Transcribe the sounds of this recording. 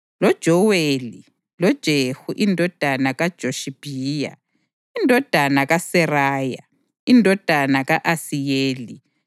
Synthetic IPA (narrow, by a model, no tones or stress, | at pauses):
lɔd̥ʒ̥ʱɔweːli | lɔd̥ʒ̥ʱehuʔindʱɔd̥ʱanaɣad̥ʒ̥ʱoʃib̥ʱiːja̰ | indʱɔd̥ʱanaɣasɛraːja | indʱɔd̥ʱanaɣaʔasijeːli